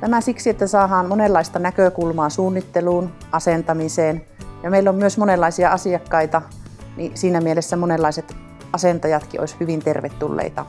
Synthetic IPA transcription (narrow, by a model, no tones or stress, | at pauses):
t̪æmæsiksiet̪ːæsɑːhɑːnmonelːɑist̪ɑnækøkulmɑːsuːnːit̪ːeluːn | ʔɑsent̪ɑmiseːn | jɑmeilːommyøsmonelːɑisiɑɑsiɑkːɑit̪ɑnisiːnæmielesːæmonelːɑiset̪ | ɑsent̪ɑjɑt̪kio̰ishyʋint̪erʋḛt̪ːulːḛit̪ɑ